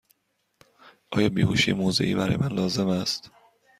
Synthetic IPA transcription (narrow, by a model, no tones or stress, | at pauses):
ʔɒːjɒːbiːhuʃiːemoːzḛʔiːbæɾɒ̰ːjemænlɒːze̞mæst̪